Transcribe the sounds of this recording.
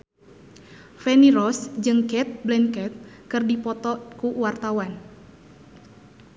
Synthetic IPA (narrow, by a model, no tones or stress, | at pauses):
fɛniɾɔsd͡ʒɨŋkɛt̪̚blɛnkɛt̪̚kɨrdipɔt̪ɔkuwart̪awan